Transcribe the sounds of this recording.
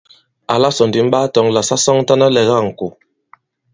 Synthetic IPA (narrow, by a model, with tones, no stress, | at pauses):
a˨la˦sɔ˨ndi˨m̩˦ɓa˦tɔ˨˦ŋla˨sa˦sɔ˦ŋ˦ta˦na˦lɛ˨ɣa˦˨ŋ̩˨ku˨